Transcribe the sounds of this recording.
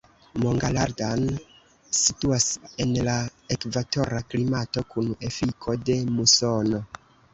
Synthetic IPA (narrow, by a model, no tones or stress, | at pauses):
mo̞ŋɡalaɾdan | situase̞nlaekvato̞ɾaklimato̞kune̞fikʰo̞de̞muso̞no̞